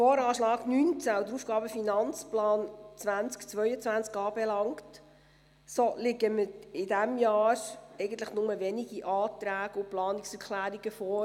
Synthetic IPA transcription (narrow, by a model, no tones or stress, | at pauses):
foːɾɑːʃlɑːɡnynt͡sæd̪əɾuːfɡ̥ɑːbəfinɑnt͡splɑːnt͡sʋænt͡skt͡sʋœʏət͡sʋænt͡skɑːb̥ɛlɑŋkt | solɪɡəməɪd̥æmjɑːɾɛɪɡəntləχnʊməʋɛniɡiʔɑːt̪ɾæːɡ̥əʊplɑːnɪksəkʰlæːɾiɡ̥əfɔː